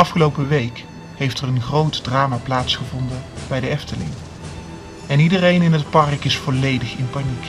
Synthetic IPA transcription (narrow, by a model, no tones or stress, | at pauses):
ɑfχəlowpəʋejk | hejftɛrənχrowtdraːmaplaːtsχəvɔndənb̥ɛjdəɛftəlɪ̰ŋ | ɛnidərejnɪnɦətpɑrkɪsfɔlejdəχɪnpanik